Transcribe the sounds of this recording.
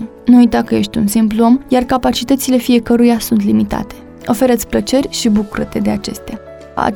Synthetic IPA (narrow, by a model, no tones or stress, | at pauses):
nuujt̪akəje̞ʃt̪ʲunsimpluo̞mjarkapat͡ʃit̪ət̪sile̞fije̞kəɾujasunt̪limit̪a̰t̪e̞̥ | o̞fe̞ɾət̪sʲplət͡ʃe̞rʲʃibukuɾət̪e̞d̪e̞at͡ʃe̞st̪ea̰ | a̰